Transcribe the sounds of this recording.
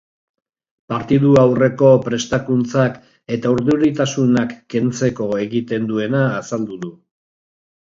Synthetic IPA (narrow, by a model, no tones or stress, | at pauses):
paɾt̪iðuawre̞ko̞pɾe̞st̪akunt͡sak | e̞t̪auɾðuɾit̪asunakːe̞nt͡se̞ko̞e̞ɣit̪e̞nd̪ue̞naːsald̪uðu